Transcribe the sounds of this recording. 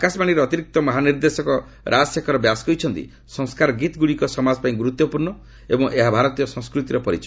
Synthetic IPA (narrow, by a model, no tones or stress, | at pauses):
akasmañiɾeɔt̪iɾik̚t̪ɔmɔɦaniɾd̪esɔkɔ | ɾʔasekʰɔɾɔbjaskɔjt͡ʃʰɔnt̪ḭ | sɔŋskaɾɔɡit̪ɡuɽikɔsɔmad͡ʒɔpaĩɡuɾut̪ːɔpuɾnɳɔ | ḛbɔŋʔeɦabʱaɾɔt̪ijɔsɔ̃skɾut̪iɾɔpɔɾit͡ʃʰɔ̥